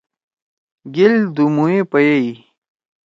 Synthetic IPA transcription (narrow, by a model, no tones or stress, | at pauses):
ɡild̪umuipɐjei